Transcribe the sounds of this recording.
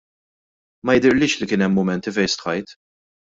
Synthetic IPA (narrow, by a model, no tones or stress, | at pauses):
mɐjɪd̪ɪɾlɪːʃlikɪːnɛmːʊmɛnt̪ifɛjst̪ħɐjt̪